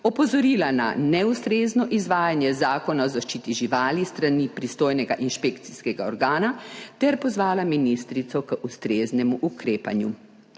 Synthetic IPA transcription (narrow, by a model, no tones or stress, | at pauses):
ɔpɔzɔɾiːlana̰nɛust̪ɾeːznɔʔizʋaːjanjɛzaːkɔnaɔzaʃt͡ʃiːt̪iʒiʋaːlist̪ɾanipɾist̪oːjnɛɡaʔinʃpekt̪siskɛɡaɔɾɡaːnat̪ɛɾpɔzʋaːlaminist̪ɾit̪sɔkəʔust̪ɾeːznɛmuʔukɾeːpanju